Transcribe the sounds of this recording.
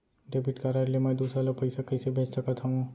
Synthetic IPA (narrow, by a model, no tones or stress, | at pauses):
ɖebɪʈkaɾaːɾliemɛ̃d̪uːsɾaloɡ̚pɐɪsakɐjsebʱeːt͡ʃsɐkət̪ʰɦɐũ